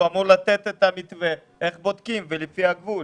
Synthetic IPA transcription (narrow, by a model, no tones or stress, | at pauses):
amuʁlat̪et̪et̪amit̪ve | eχbod̪kimvelifiaɡvu